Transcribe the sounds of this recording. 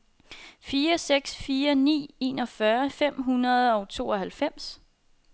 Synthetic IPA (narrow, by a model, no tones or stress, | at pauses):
fiːɐseɡ̥sfiːɐnḭːe̝̰ːnɒ̽fɶɐfem̰ɦunɐð̞ˠɒ̽ʊt͡sʰo̝̰ːɒhælfem̰s